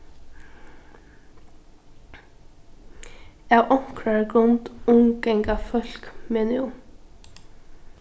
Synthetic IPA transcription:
awʔɔŋ̥kɾaɹɡɾʊnt̪ʊŋɡɛŋkafœl̥kmɛːnɪʊm

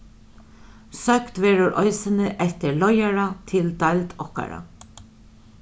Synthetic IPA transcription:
sœkt̪ʋɛːɾʊɾʔɔʏsənəʔɛt̪əɹlɔjaɹat̪ʰɪld̪ɑlt̪ɔhka̰ɾa̰

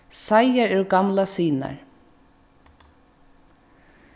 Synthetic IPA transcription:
sajaɹɛwɡɑmlasiːna̰ɹ

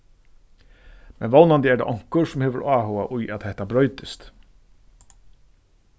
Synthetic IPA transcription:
mɛnʋɔwnand̪əɛɖa̰ːʔɔŋ̥kəɾsʊmheːʋəɾaːhoːaʔʊjʔæt̪hɛht̪abɾœʏt̪ɪst̪

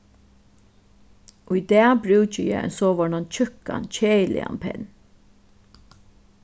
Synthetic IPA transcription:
ʔʊjd̪ɛːbɾʉːt͡ʃəjɛ̰ɛ̰nsoːʋɔɳant͡ʃʰʏka̰nt͡ʃʰeːjlʔɪ̰a̰npʰɛ̰n

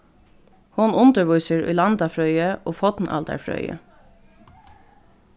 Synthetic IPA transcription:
hʊnʊnt̪əɹʋujsəɹʊ̰jlɑnd̪ɑfɹœʏəʔoːfɔt̪nʔɑ̰ld̪æ̰ɹfɹœ̰ʏə̰

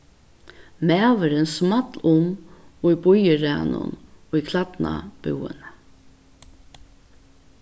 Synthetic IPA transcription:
mæːʋəɾɪnsmat̪lʊmibʊjəɾæːnʊ̰nikʰlapna̰b̥ʉ̰wə̰n

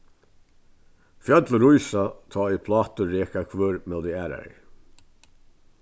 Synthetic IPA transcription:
fjœt̪ləɾujsat̪ʰɔːʏpʰlɑːt̪əɾɛːkakʰvøːɹmɛld̪ɪæːɾa̰ɹɪ̰ɹ

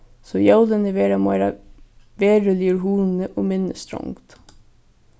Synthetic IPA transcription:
soːjɑwd̪ənəʋeːɾɑmoʋeːɾɑ | ʋeːɾəliəɾɦuːn̩əʔoːmɪnəst̪ɾɔ̰ŋt̪

